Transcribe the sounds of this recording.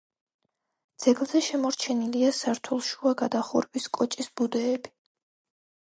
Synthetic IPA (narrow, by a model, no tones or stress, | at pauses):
d̪z̥ɛɡlˠzɛʃɛmɔɾt͡ʃʰɛniliasaɾt̪ʰulˠʃuaɡad̪aχṵɾbiskʼɔt͡ʃʼisbud̪ɛːbi